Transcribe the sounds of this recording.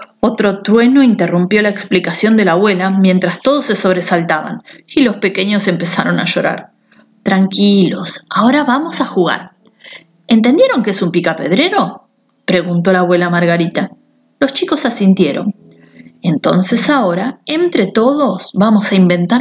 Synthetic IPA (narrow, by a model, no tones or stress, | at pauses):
o̞t̪ɾo̞t̪ɾwe̞no̞int̪e̞rumpjo̞laeksplikasjo̞nd̪e̞laːβwe̞lamje̞nt̪ɾast̪o̞ð̞o̞sːe̞so̞β̞ɾe̞salt̪aβa̰nilo̞spe̞ke̞ɲo̞se̞mpe̞saɾo̞na̰ʃo̞ɾa̰ɾ | t̪ɾaŋkilo̞sao̞ɾaβamo̞saxuɣa̰ɾ | e̞nt̪end̪je̞ɾo̞ŋkeesumpikape̞̰ð̞ɾe̞ɾo̞ | pɾe̞ɣunt̪o̞laːβwe̞lamaɾɣaɾit̪a | lo̞st͡ʃiko̞sasint̪je̞ɾo̰n | e̞nt̪o̞nse̞sao̞ɾae̞nt̪ɾe̞t̪o̞ðo̞sβamo̞saimbe̞nt̪a